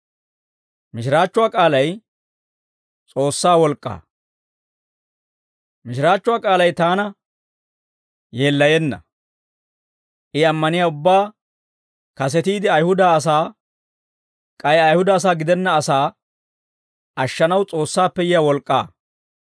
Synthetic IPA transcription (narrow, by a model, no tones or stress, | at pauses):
mɪʃɪɾaːt͡ʃːʊwaːkʼaːlɐj | t͡sʼo̞ːsːaːwɔlkʼːa̰ː | mɪʃɪɾaːt͡ʃːʊwaːkʼaːlɐjt̪aːnɐ | je̞ːlːɐjɛnːɐ̰ | ʔɪɐmːɐnɪjaːʊbːaː | kɐs̬ɛt̪iːd̪ɪɐjhʊd̪aːs̬aː | kʼɐjɐjhʊd̪ɐːs̬aːɡɪd̪ɛnːɐːsaː | ɐʃːɐnɐwt͡sʼo̞ːsːaːpːɛjɪjaːwɔlkʼːa̰ː